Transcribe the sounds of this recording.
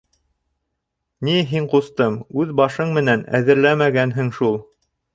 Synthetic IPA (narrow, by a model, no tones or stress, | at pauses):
niɦiɴqust̪ɤmʉðbɑʃɤɴmɘ̆nænæ̰ðɘ̆ɾlæmæɡænɦɘŋʃulˠ